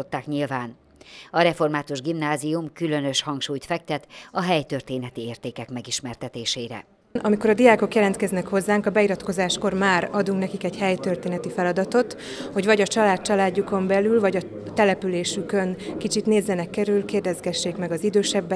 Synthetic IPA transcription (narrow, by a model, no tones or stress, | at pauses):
ot̪ːaːkɲilvaːn | ɒɾɛfo̞rmaːt̪uʒɡimnaːzijumkylø̞nø̞ʃhɒŋkʃuːjt̪fɛk̚t̪ɛt̪ɒɦɛjt̪ørt̪eːnɛt̪ieːrt̪eːkɛkmɛɡiʃmɛrt̪ɛt̪eːʃeːɾɛ̰ | nʔɒmikoɾɒd̪ijaːko̞kjɛlɛnt̪kɛznɛkho̞zːaːŋkɒbɛiɾɒt̪ko̞zaːʃko̞rmaːɾɒd̪uŋknɛkikɛɟhɛjt̪ørt̪eːnɛt̪ifɛlɒd̪ɒt̪o̞t̪ | ho̞ɟvɒɟɒt͡ʃɒlaːt̪̚t͡ʃɒlaːɟːuko̞mbɛlylvɒɟɒ | t̪ɛlɛpyleːʃykø̞nkit͡ʃit̪neːzːɛnɛkːɛɾylkeːrd̪ɛzɡɛʃːeːkmɛɡɒzid̪øːʃɛbːɛ